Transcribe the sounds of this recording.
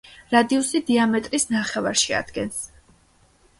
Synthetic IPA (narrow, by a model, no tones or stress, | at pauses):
ɾad̪iusid̪iamɛt̪ʼɾisnaχɛvaɾʃia̰d̪̥ɡɛns